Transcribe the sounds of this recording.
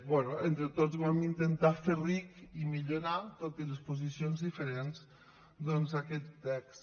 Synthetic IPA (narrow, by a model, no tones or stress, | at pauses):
bwɛnoent̪ɾet̪ozβamint̪ent̪aferikimiʎoɾat̪ot̪elespoz̬isionzðifeɾenz | d̪ɔnzakɛt̪ːɛks